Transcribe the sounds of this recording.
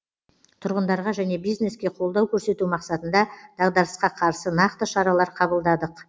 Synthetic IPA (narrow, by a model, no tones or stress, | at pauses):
t̪ʰʊɾʁənd̪ɑɾʁɑʒæne̞bijzne̞skʲe̞qʰo̞lˠd̪ɑwkʲʰɵɾse̞t̪umɑqsɑt̪ənd̪ɑd̪̥ɑʁd̪ɑɾəsqɑqʰɑɾsənɑqt̪əʃɑɾɑlˠɑɾqʰɑbəlˠd̪ɑd̪əq